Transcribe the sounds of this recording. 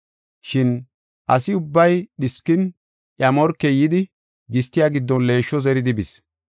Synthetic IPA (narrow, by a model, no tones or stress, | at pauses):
ʃɪn | ʔɐsɪʊbːɐjɗɪskːɪn | ʔjɐmɔɾkːɛjɪd̪ɪ | ɡɪst̪ːɪjaːɡɪd̪ːɔnle̞ːʃːɔzɛɾɪd̪ɪbɪs